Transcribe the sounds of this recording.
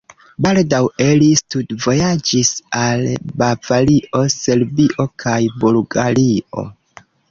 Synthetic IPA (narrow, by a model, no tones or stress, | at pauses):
baldawelistudvo̞jad͡ʒisalbavaliʔo̞se̞lbiʔo̞kʰajbulɡaliʔo̞̰